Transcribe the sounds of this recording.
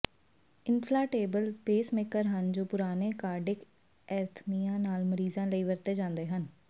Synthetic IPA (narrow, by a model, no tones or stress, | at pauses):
ɪnpʰlaːʈeːbəlpeːsmɪkəɾɦənd͡ʒoːpʊɾaːneːkaːɖɪk | ɛːɾt̪ʰmijãːnaːlməɾiːzãːləiːʋəɾt̪eːd͡ʒãːnd̪eːɦən